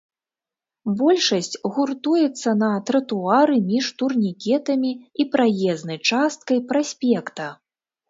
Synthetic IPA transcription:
bɔlʲʂɐsʲt͡sʲɣurt̪ujɛt̪sːɐnɐt̪ɾɐt̪uaɾɨmʲiʂt̪urnʲikʲɛt̪ɐmʲiipɾajɛznɐjt͡ʂast̪kɐjpɾasʲpʲɛkt̪ɐ

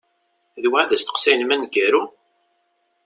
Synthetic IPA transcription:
ðwæʕðæst̪ə̥qsæjnmænɡæɾu

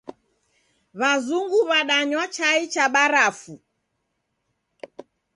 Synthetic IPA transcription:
βazuŋɡuβaɗaɲwat͡ʃait͡ʃaɓaɾafu

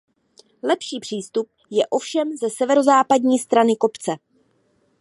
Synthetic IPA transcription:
lɛpʃiːpr̝̥iːst̪up̚jɛʔo̞fʃɛmzɛsɛvɛɾo̞zaːpadɲiːst̪ɾanɪko̞pt͡sɛ

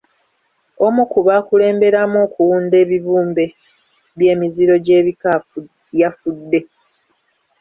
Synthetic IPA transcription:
o̞mukuβaːkule̞ːmbe̞ɾamoːkuwuːnde̞ːβiβuːmbe̞ | βje̞ːmiziɾo̞ɟe̞ːβika | jafudːe̞

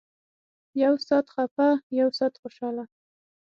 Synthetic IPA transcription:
jawsɑt̪xapajawsɑt̪χoʃɑla

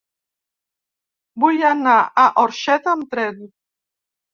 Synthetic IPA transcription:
bujanaaʔɔɾʃɛt̪amt̪ɾɛd̪u

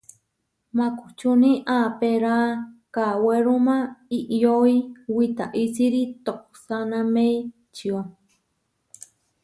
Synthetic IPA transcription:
maku̥t͡ʃuniʔaːpeɾaːkaweɾumaiʔjoiwit̪a̰ʔisiɾit̪ok | sanamej | t͡ʃiwa

